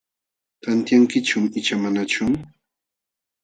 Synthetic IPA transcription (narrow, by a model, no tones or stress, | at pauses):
t̪ant̪jaŋkɪt͡ʃʊmɪt͡ʃamanat͡ʃʊm